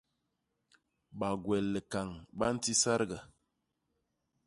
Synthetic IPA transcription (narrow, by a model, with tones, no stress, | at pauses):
ɓa˨ɡwɛ˨lːə˨ka˨ŋba˦n̩˦ti˦sa˦ɾɡa˨